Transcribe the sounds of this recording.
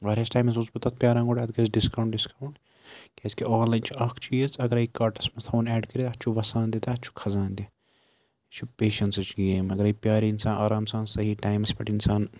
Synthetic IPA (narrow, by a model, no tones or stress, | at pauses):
ʋaːɾeːsʈaːjmɐs̬uzbɐt̪ɐt̪̚ʰpʲjaːɾãːŋɡoːʈʲat̪ʰɡɐsɖiskɐwɳʈɖiskɐwɳʈ | kʲɛːskiaːnlaːjnt͡ʃʰiɐkʰt͡ʃʰijezɐɡɐɾɐikaːɾʈɐsmɐt̪ʰoːnɛːɖkɐɾit̪ɐt͡ʃʰuʋɐsaːnd̪it̪aɐt̪ːt͡ʃʰu̥kʰɐzaːnd̪i | t͡ʃʰupeːʃɐnsɐt͡ʃʰɡeːmɐɡɐɾɐipʲjaːɾiinsaːnʔaːɾaːmsaːnsɐɦiʈaːjmɐspɐʈinsaːn